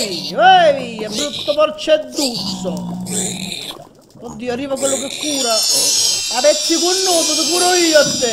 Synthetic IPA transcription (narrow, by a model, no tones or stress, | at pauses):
iniwaviːabɾut̪ːopɔrt͡ʃed̪ːut̪so | kod̪ːiːarːiːvakwelːok̬ekːuːɾa | amɛt̪ːikunːoːmot̪ikuːɾoiːoat̪ːe